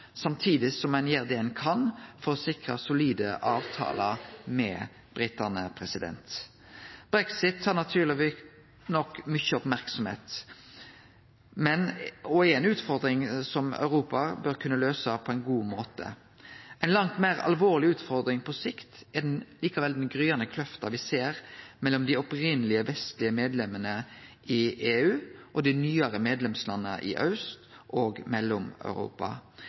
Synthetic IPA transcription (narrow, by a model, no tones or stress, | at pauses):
sɑmt̪ʰiːd̪ɪsɔmæɪnjæʁd̪eɛnkʰɑnfɔɾɔsɪkɾɑsʊliːd̪əʔɑːʋt̪ʰɑ̰ːlɑmɛ̰ | b̥ɾɪt̪ænəpʰʁɛsɪd̪ɛ̰nt̪ | b̥ɾɛksɪt̪ʰːɑːʁnɑt̪ʰyːʁlɪʋi | nɔkːmʏçəɔpmæʁksɔmhḛːt̪ | mɛnɔɛnʉːt̪fɔʁd̪ɾɪŋsɔmœ̰ʉɾuːpɑbœɾkʰʉnːəløːsɑpʰɔɛɪnɡuːmoːt̪ə̰ | ɛɪnlɑŋt̪meːɾɑ̰lʋoːʁlɪʉːt̪fɔɾd̪ɾɪŋpʰɔsɪkt̪ɛd̪ɛnliːkɑʋɛld̪ɛnɡɾyːɑnəkʰlœft̪ɑʋɪseːʁmɛlːɔmd̪ɪɔpɾɪnːəlɪəʋɛst̪lɪəmeːd̪lɛmːənə | ɪeːʉːʔɔd̪ɪnyːəɾəmeːd̪lɛmslɑnːə̰ʔɪ̰ʔœ̰ʉst̪ | ʔɔːɡmɛlːɔmœ̰ʉɾṵːpɑ̰